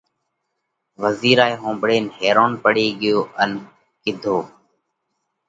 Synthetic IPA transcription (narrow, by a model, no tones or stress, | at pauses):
ʋəziːɾaːeːɦõːmbɽeːnɦeːɾoːnpəɽeːɠɪjoːʔən | kɪd̪ʱoː